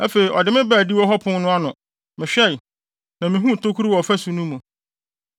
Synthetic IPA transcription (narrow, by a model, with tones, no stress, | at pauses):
æ˦fe˨i˨ʔɔ˨dɪ˨mɪ̃˦bæː˨di˦wɔ˦ɦɔ˦pʰʊ̃˦n˦nʊ̃˦a˦nʊ̃˨ | mɪ̃˨ɕᶣɛ˦˨ | nã˨mĩ˨ɦũ˦˨tʰo˦kʰu˦ɾu˦wɔ˨ɔ˨fæ˦su˨nũ˦mũ˨